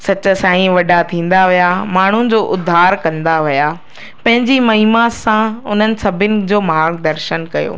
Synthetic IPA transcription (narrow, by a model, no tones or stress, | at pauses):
sɐt͡ɕʊsãːĩʋɐɖat̪ʰĩːn̆d̪aʋijamaːɳ̤ʊd͡ʑoːʔʊd̪ʱːaːɾkɐ̃nd̪aʋija | pɐ̃ɦɪ̃ɲd͡ʑimɐɦimasãʊn̤ənɪ̆sɐbʱɪnɪ̆d͡ʑoːmaːɡd̪ɐɾʃənkɐjo̰ː